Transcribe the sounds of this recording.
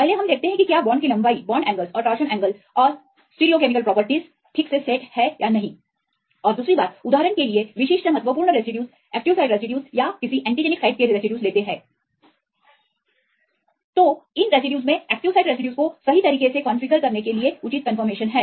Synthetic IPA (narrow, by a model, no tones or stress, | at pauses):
pɛɦleɦɐmd̪eːk̚t̪eɦɛ̃kikjaːbɔːɳɖkilɐ̃mbaːibɔːɳɖɛ̃ːŋɡəlzɔːɾʈɔːʃənɛ̃ːŋɡəlɔːɾ | sʈiːɾiokeːmɪkəlpɾɔːpəɾʈiz | ʈʰɪkseseːʈhɛjʔanɐɦĩ | ɔːɾd̪uːsɾibaːt̪ʊd̪aːɾənkelieʋɪʃɪːʃʈəmɦɐt̪wəpuːɾɳəɾesɪɖjuːz | ɛːkʈɪʋsaɪɖɾesɪɖjuːzjakɪsiʔɛ̃ːɳʈid͡ʒeːnɪksaɪʈ̚keɾɾesɪɖjuːzleːt̪eɦɛ̃ː | t̪oːɪnɾesɪɖjuːzmẽɛːk̚ʈɪʋsaːɪɖɾesɪɖjuːzkosɐɦit̪ɐɾiːkesekɔ̃ːnfiɡəɾkɐɾnekelieʊt͡ʃit̪̚kɐ̃nfəɾmeːʃənɦɛː